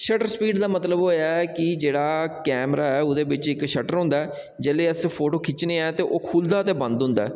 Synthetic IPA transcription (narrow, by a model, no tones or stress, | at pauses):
ʃəʈəɾspiːɖd̪aːmət̪ləboːaɛkɪd͡ʒeːɽaːkɛːmɾaːɛːʊd̪eːbɪt͡ʃɪkʃəʈəɾɦʊ̃nd̪aːɛː | d͡ʒeːleːəspʰoːʈoːkʰɪt͡ʃneːaːt̪eːʔoːkʰuːld̪aːt̪eːbə̃nd̪ɦʊ̃nd̪a̰ɛː